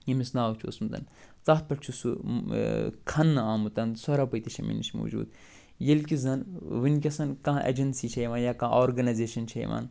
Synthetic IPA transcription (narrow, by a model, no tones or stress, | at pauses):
jɐmisnaːʋt͡ʃʰo̰smt̪ɐ̰nt͡saːt̪̚pɐʈt͡ʃʰusu | kʰɐnːɨaːmut̪ɐnsɐɾapɐjt̪iʃʰɐmḭnit͡ʃʰmo̰ːd͡ʒṵːd̪ | jelkʲizɐnʋinkʲɐsɐnkãːʔḛd͡ʒɐnsiːt͡ʃʰɐjʋaːnjaːkãːʔoːɾɡɐnajzeːʃɐnt͡ʃʰɐj̰ʋa̰ːn